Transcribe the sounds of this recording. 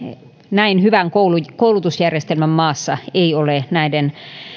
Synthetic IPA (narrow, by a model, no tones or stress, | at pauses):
næinhyʋæŋkoulukoulut̪usjærjest̪elmæmmɑːsːɑeiolenæiden